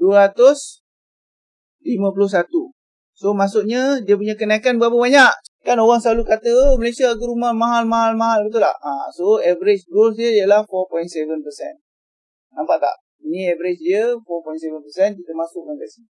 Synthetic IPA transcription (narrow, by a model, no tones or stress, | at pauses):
duəɾat̪ʊs | limə̃p̬lʊhs̬at̪u | somasʊʔɲədiəp̬uɲakənakanbəapəbaɲaʔkanoɣaŋsəlalukat̪əməlesiaːɡuɾumamaɦalmaɦalmaɦalbət̪ula̰hã̰soɛvəɾet͡ʃɡɾolsdiəijəlahfɔpɔintsevənpəsɛ̰n | nampaʔt̪a̰ʔ | inĩɛvəɾet͡ʃdiəfɔpɔjntsevənpəsɛnt̪itaʔmasʊʔ̚ŋaŋkasiɲ